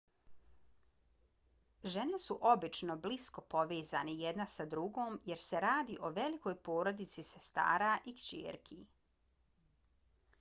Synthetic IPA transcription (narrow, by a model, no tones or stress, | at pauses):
ʒene̞suʔo̞bit͡ʃno̞blisko̞po̞ʋeːza̰nejed̪nasad̪ɾuɡoːmje̞ɾse̞ɾaːd̪iːʔo̞ʋe̞liko̞ːjpo̞ːɾo̞d̪it̪sisest̪a̰ːɾaʔikt͡ʃḛːɾkʰḭ